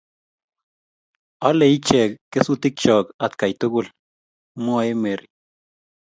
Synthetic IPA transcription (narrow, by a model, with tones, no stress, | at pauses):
ɔ˦le˨i˦t͡ʃɛ˨kːe˦su˦t̪i˦k̚t͡ʃɔ˨ka˨t̪ka˨jt̪o˦ɡʊ˦l | mʊ˦a˨e˦me˨ɾi